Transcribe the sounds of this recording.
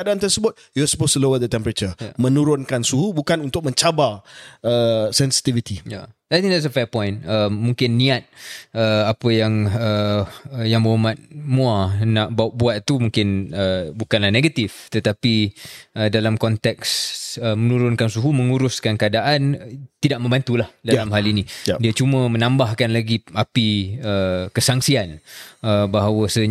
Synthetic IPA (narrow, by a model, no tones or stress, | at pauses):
adaant̪ərsəbʊt̪̚juɔsə̥postlowɛd̪ət̪ɛmpəɾat͡ʃəmə̃nuɾʊnkansuɦubukanunt̪ʊk̚mə̃ɲt͡ʃabarəsɛnsi̥t̪ivit̪ijaajt̪ĩŋkd̪ɛtsəfɛpɔ̃jnəmːũŋkɪnːiat̪̚əapəjaŋə | jaŋbəɦumat̪̚mũanaʔbaʔ̚buat̪t̪ːumuŋkɪnəbukanlahneɡat̪ift̪ət̪apiədalamkɔnt̪ɛk̚səmənuɾʊnkansuɦumə̃ŋuɾʊskankəadaʔant̪idaʔ̚mə̃mbant̪ulahdalamɦalinĩdiat͡ʃumə̃mə̃nãmbahkanlaɡiʔapiəkəsaŋsianəbaɦawəsə